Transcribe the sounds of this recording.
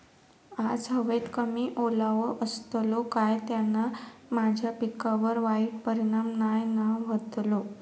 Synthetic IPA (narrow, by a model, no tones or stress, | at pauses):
ad͡zɦəʋet̪kəmiːʔolaʋəʔəst̪lokajt̪janːamad͡ʑʱjapikːaʋəɾʋaik̚pəɾiɽ̃amnajnaʋət̪lo